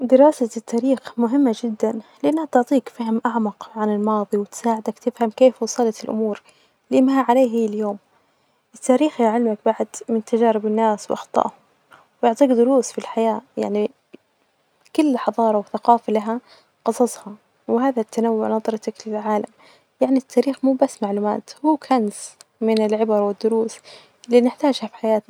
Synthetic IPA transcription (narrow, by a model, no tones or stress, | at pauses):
d̪ɪɾɑːsat̪ʰːaːɾiːxmʊɦɪmːad͡ʒɪd̪ːanlɪʔanːhat̪ʊʕt̪ˤiːkfaɦmʔaʕmɑqʕanɪlmɑːðˤiwɪt̪saːʕɪd̪akt̪ɪfhamkeːfwɑsˤɑlɑt̪ɪlʔʊ̰muːɾ | lɪmahaʕaleːɦijːɪljoːm | ʔɪt̪ːaːɾiːxjaʕɪlmak̚baʕd̪mɪnt̪ad͡ʒaːɾɪbɪnːaːswʔɑxt̪ˤɑ̰ʔhʊm | wjʊʕt̪ˤiːɡd̪ʊɾuːsfilħajaːja̰ʕni | kʊlːħɑðˤɑːɾˤɑwɪθaqɑːfalaɦa | qɨsˤɑsˤhɑ | wɪhaːðat̪ʰːanawːʊʕnɑðˤɾˤɑt̪aklɪlʕaːlam | jaʕnit̪ʰːaːɾiːxmuːbasːmaʕluːma̰ːt̪huːkʰansmɪnɪlʕɪbɑɾˤwɪd̪ːʊɾuːs | ɪlːiːnɪħt̪aːʒhafi̥ħajaːt̪na